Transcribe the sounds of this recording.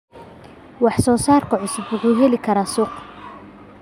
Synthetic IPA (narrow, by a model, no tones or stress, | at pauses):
wɑħsɔːsaːrkʰɐʕʊsʊbʊɣuːɦɛlɪkʰɐɾaːsʊq